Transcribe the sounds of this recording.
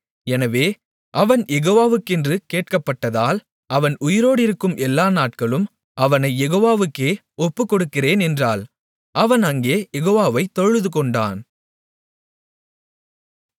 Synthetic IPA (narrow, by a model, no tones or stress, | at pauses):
ɛnɐʋeː | ʔɐʋɐnjɛɣoːʋaːʋɯkːɪndrɯkeːʈ̚kɐpːɐʈːɐðaːl | ʔɐʋɐnʊjɪɾoːɽɪɾɯkːɯmʔɛlːaːnaːʈ̚kɐɭɯm | ʔɐʋɐnɐɪjɛɣoːʋaːʋɯkːeː | ɔpːɯkːɔɽɯkːɪreːnɛndraːl | ʔɐʋɐnɐŋɡeːjɛɣoːʋaːʋɐɪt̪ːɔɻɯðɯkɔɳɖa̰ːn